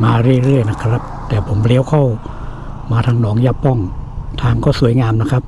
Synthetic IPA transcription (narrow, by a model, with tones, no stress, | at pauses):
maː˧ɾɯ˥˩əjɾɯ˥˩əjna˦˥kʰɾa˦˥p̚t̪ɛː˨˩pʰo˩˦mli˧˦wkʰa˥˩w | maː˧t̪ʰaː˧ŋnɔː˩˦ŋjaː˧˥˩pːɔ˥˩ŋt̪ʰaː˧ŋkɔː˥˩su˩˦əjŋaː˧mna˦˥kʰɾa˦˥p̚